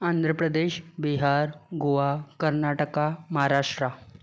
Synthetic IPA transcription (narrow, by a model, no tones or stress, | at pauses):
and̪ʱɾəpɾəd̪eɕbiɦaɾɡoʋakəɾnaʈəkaməɦaɾaʂʈɾa